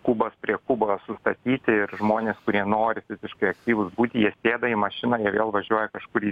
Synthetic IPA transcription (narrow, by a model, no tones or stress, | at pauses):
kuːbɐspʲɾʲiɛkubosʊst̪ɐt̪ʲiːt̪ʲɪɪrʒmoːnʲeːskʊɾʲiɛnoːɾʲɪfʲɪzʲɪʃkɐɪɐk̚t̪ʲiːʋʊsbuːt̪ʲɪjiɛsʲeːd̪ɐimɐʃʲɪnɐːjiɛʋʲeːlˠʋɐʒʲuɔjɛkɐʃkʊɾi